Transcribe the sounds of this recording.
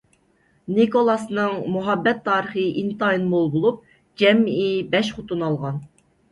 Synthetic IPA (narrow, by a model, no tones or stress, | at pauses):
nikolˠɑsnɨŋmuɦɑbːɛt̪ʰːɑːɾəχəʔint̪ɑinmolˠbolˠup̚ | d͡ʒɛmibɛʃχʊt̪ʰunɑlˠʁɑn